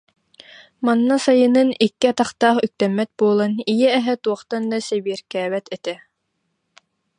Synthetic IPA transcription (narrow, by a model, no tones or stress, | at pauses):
manːasajɯnɯnikːiat̪aχt̪aːχyk̚t̪ɛmːɛt̪̚buɔlˠanijɛɛɦɛt̪uɔχt̪and̪asɛbiɛɾkɛːbɛt̪ɛt̪ɛ